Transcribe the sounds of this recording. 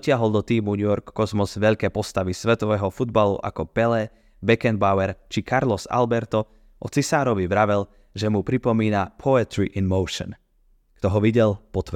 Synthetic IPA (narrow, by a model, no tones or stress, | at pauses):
cɪaɦɔlˠd̪ɔt̪iːmuɲujɔɾkːɔzmɔzʋɛʎkɛːpɔst̪aʋisʋɛt̪ɔʋɛːɦɔfud̪balṵʔa̰kɔpɛlɛ | bɛkɛnbaʊɛɾt͡ʃikʰaɾlɔza̰lbɛɾt̪ɔ | ʔɔt͡sisaːɾɔʋiʋɾaʋɛl | ʒɛmupɾipɔmiːnapʰɔɛt̪ɾiʔɛnmɔʊʃɔ̰n | kt̪ɔɦɔʋiɟɛlpɔt̪ʋ